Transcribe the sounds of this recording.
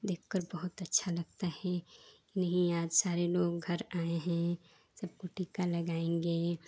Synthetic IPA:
d̪eːkʰkəɾbəɦʊt̪ətːʃʰaləɡ̚t̪ahɛ̃kinəɦĩaːd͡ʒsaːɾeloːɡ̚ɡʱəɾaːeɦɛ̃ | səb̚koʈiːkaləɡaːẽŋɡe

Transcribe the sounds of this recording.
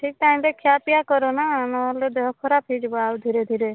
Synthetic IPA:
ʈʰik̚ʈaĩmtekʰjapijakɔɾɔnanɔled̪ɔɦɔkʰɔɾapʰid͡ʒibɔawd̪ʱiɾed̪ʱiɾe

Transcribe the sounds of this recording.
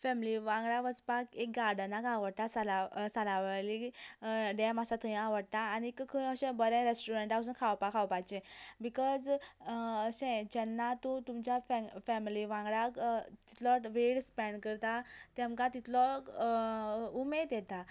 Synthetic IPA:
fɛmliʋãŋɡɽaʋəd͡zpakek̚ɡaɽənaɡaʋəɽt̪asalasalaʋali | ɖɛmasat̪ʰəj̃aʋəɽt̪aːnikkʰəəɕɛ̃bəɾɛ̃ɾesʈuɾeɳʈas̬unkʰawpakʰawpajt͡ɕɛ̃bikɔd͡z | əɕɛ̃d͡ʑɛnːat̪ũt̪umt͡ɕjafɛfɛmliʋãŋɡɭakt̪i̥t̪lɔʋeɽspɛ̃ɳɖkəɾt̪at̪ɛ̃mkat̪it̪lɔ | umed̪jɛt̪a

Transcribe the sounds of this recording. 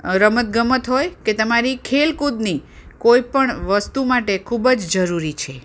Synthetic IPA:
ɾəmət̪ɡəmət̪ɦojket̪əmaɾikʰelkud̪nikoipəɳʋəst̪umaʈekʰubd͡ʒd͡ʒəɾuɾit͡ʃʰe

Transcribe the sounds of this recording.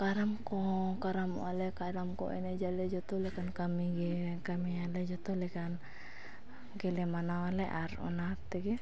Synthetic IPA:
kaɾamkɔkaɾamṵalɛkaɾamkɔ̰ʔḭnɛd͡ʒalɛd͡ʒɔt̪ɔlɛkankamiɡɛkamialɛd͡ʒɔt̪ɔlɛkan | ɡɛlɛmanawalɛʔaɾṵnat̪ːɛɡɛ

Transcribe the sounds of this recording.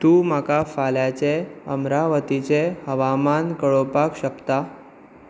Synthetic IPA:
t̪ũːmakafaljat͡ɕeəmɾaʋət̪it͡sehəʋamankəɭopakɕəkt̪a

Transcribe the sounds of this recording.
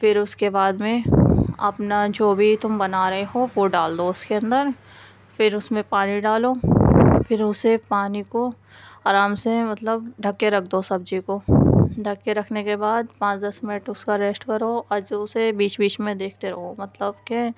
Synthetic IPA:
fɪɾʊskebaːd̪mẽɐ̰pnad͡ʒoːbʱit̪ʊmbɐnaːɾɐɦeɦoʋoɖaːld̪oʊskeɐ̃nd̪əɾ | fɪɾʊsmẽpaːniɖaːlo | fʰɪɾʊsepaːniko | aːɾaːmsemɐt̪ləbɖʱɐkːeɾɐk̚ʰd̪osɐb̚d͡ʒikoɖʱɐkːeɾɐkʰnekebaːd̪pãːt͡ʃd̪ɐsmɪnɪʈʊskaɾeːsʈkɐɾoɐd͡ʒʊsebiːt͡ʃbiːt͡ʃmẽd̪eːk̚ʰt̪eɾɐɦomɐt̪ləbkɛ

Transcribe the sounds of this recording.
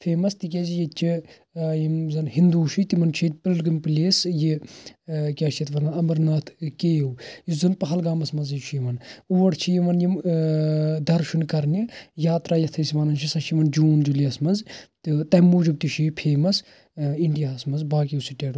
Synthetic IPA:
fʰeːmɐst̪ik̬ʲɐzijet͡ʃʰi | jimzɐnhind̪uːʃit̪imɐnt͡ʃʰit̪̚pillɡɐmplʲeːsji | kʲaːʃɐt̪ʰʋɐnaɐmɐɾnaːt̪ʰkeːjwizɐnpɐɦɐlɡaːmɐsmɐzɐjt͡ʃʰijiʋɐnuʋɐɽt͡ʃʰijiʋɐnjim | d̪ɐɾʃʰunkɐɾnʲijaːt̪ɾaːjɐt̪ʰɐsiʋɐnɐnt͡ʃʰisɐʃʰimɐnd͡ʒuːnd͡ʒuliɐsmɐzt̪t̪ɐmːuːd͡ʒib̚t̪iʃipʰeːmɐs | iɳɖijaɐsmɐnzbaːkiusiʈeːɽ

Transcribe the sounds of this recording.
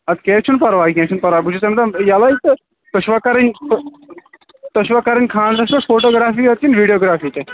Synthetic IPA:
ɐt̪kẽːt͡ʃʰunpɐɾʋaːkẽːt͡ʃʰunpɐɾʋaːbud͡ʒʰut͡semɐt̪ɐmjalait̪ | t̪ɐʃʋɐkːɐɾɐnʲt̪ | t̪ɐʃʋɐkːɐɾɐnʲkʰãːnt̪ɐʃʋɐfʰoːʈoːɡɾaːfiːɐt̪̚kinʋiːɖijoːɡɾaːfiːt̪e

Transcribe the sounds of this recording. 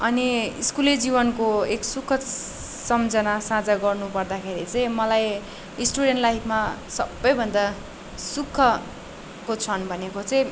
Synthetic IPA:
ʌniiskuled͡zibʌnkoeksukʰːʌ | sʌmd͡zʌnasãd͡zʌɡʌrnupʌrd̪akʰeɾit͡sʌĩmʌlaj | isʈuɽenʈlajpʰmasʌbːʌjbʱʌnd̪a | sukʰːʌ | kot͡sʰʌnbʱʌnekot͡sʌĩ

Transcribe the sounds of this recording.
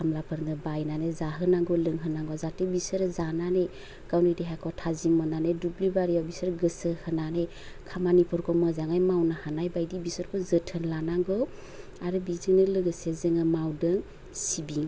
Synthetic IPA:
kʰamlapʰɯɾnɯbajnanezaɦɯnaŋɡɔlɯŋɦɯnaŋɡɔzatebisɯɾzanane | kawnidiɦakʰɔtʰazimmɔnanedublibaɾijabisɯɾɡɯsɯhɯnane | kʰamanipʰɔɾkʰɔmɔzaŋajmawnahanajbajdibisɔɾkʰɔzɯtʰɯnlanaŋɡɔw | aɾɯbiziŋnɯlɯɡɯsezɯŋɯmawdɯŋ | sibiŋ

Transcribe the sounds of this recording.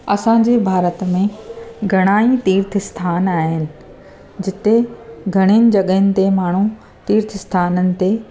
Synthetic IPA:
ɐsãːɲ̆d͡ʑebʱaːɾət̪mẽɡʱɐɽ̃aːit̪iːɾt̪ʰɪst̪ʰaːnaːɦɪnɪ̆ | d͡ʑɪt̪eɡʱɐɽ̃inɪ̆d͡ʑɐɠəɦənɪ̆t̪emaːɳ̤u | t̪iːɾt̪ʰɪst̪ʰaːnənɪ̆t̪e

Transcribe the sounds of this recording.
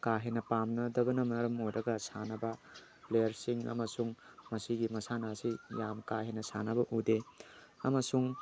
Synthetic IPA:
kaɦenɐpamnɐdɐbɐnɐmɐɾɐmojɾɐɡɐsanɐbɐ | plejɐɾsiŋɐ̰mɐsuŋmɐsiɡimɐsanasijamkaɦenɐsanɐbɐʔude | ɐmɐsuŋ

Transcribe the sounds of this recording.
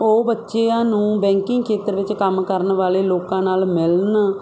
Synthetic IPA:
oːbətːʃeːãːnũːbɛ̃ːŋkɪ̃ŋɡkʰeːt̪əɾʋɪt͡ʃkəmkəɾnʋaːleːloːkãːnaːlmɪln

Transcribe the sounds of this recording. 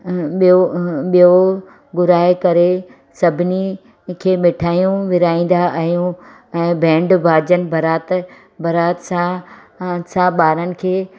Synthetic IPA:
ɓioɓijo | ɡʊɾaːekɐɾe | sɐbʱɪni | kʰeːmɪʈʰaːjũʋɪɾaːĩːn̆d̪aʔaɦijũ | ɛ̃ːbʱɛ̃ːɳɖbʱaːd͡ʑənɪ̆bʱɐɾaːt̪ | bʱɐɾaːt̪sã | sãɓaːɾənɪ̆kʰeː

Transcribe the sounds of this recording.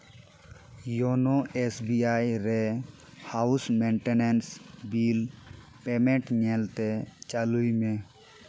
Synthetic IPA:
joːnoːeːsbiːaːiɾe | haːʊsmẽːɳʈeneːnsbiːl | peːmẽʈnelt̪et͡ʃaluimẽː

